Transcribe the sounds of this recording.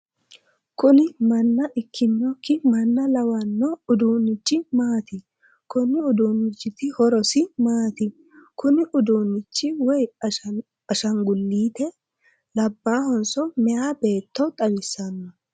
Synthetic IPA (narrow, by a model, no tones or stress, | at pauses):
kʊnɪmɐnːɐʔɪkːɪnːɔkːɪmɐnːɐlɐwɐnːɔʊd̪uːnːɪt͡ʃːɪmaːt̪ɪ | kʊnːɪʊd̪uːnːɪt͡ʃːɪt̪ɪhɔɾɔsɪmaːt̪ɪ | kʊnɪʔʊd̪uːnːɪt͡ʃːɪwɔj | ɐʃɐŋɡʊlːiːt̪ɛ | lɐbːaːhɔnsɔmɛjaːbe̞ːt̪ːɔt̪ʼɐbɪsːɐnːɔ